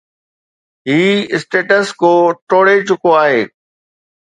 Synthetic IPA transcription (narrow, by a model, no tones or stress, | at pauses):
ɦiːɪsʈeːʈəskoːʈoːɽet͡ɕʊkoaːɦeː